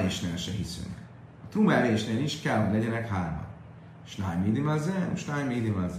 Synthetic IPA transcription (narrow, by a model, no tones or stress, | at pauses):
eːʃnḛːlʃɛɦisø̰ːnɛ̰k | ɒt̪rumɛɛɾeːʃneːliʃkɛlɦoɟlɛɟɛnɛkhaːrmɒ̰n | ʃnaːjmiːd̪imɛzɛuʃnaːjmiːd̪imɛzɛ